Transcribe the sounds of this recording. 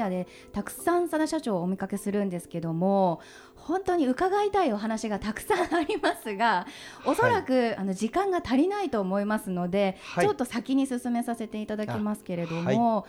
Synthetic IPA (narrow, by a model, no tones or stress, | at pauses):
ad̪e̞ | t̪akɯ̟̥sãɰ̃sad̪aɕat͡ɕo̞ːmʲikake̞sɨɾɯ̟̃nd̪e̞sɨ̥ke̞d̪o̞mo̞ | hõ̞nt̪o̞ɲ̟iɯ̟kaɡait̪aio̞ɦanaɕiɡat̪akɯ̟̥sãɰ̃aɾʲimasɨɡao̞so̞ɾakɯ̟ano̞ʑikãŋɡat̪aɾʲinait̪o̞ːmo̞imasɨno̞d̪e̞t͡ɕo̞t̪ːo̞sakʲiɲ̟isɨsɨme̞sase̞t̪e̞it̪ad̪akʲimasɨ̥ke̞ɾe̞d̪o̞mo̞